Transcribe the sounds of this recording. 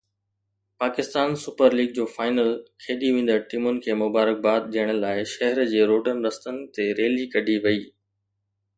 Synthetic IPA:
paːkɪst̪aːnsʊpəɾliːɡ̚d͡ʑoːfaːɪnəlkʰeːɗ̪iʋẽːn̆d̪əʈimʊnɪ̆kʰeːmʊbaːɾək̚baːd̪̚ʄiəɽ̃ə̆laːɪʃɐɦəɾd͡ʑeːɾoːɖənɪ̆ɾɐst̪ənɪ̆t̪eɾeːlikɐɖʱiʋɐiː

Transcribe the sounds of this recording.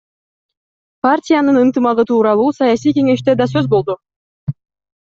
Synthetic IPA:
partʲɪjanɯnɯnt̪ɯmɑlɯt̪ʰuːɾɑlˠuːsɑjaɑsijke̞ŋe̞ʃt̪e̞d̪ɑs̬ø̞zbo̞lˠd̪u

